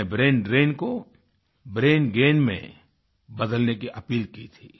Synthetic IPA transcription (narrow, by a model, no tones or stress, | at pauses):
ebɾeːnɖɾeːnko | bɾeːnɡeːnmḛ̃ | bɐd̪əlnekiʔɐpiːlkit̪ʰḭː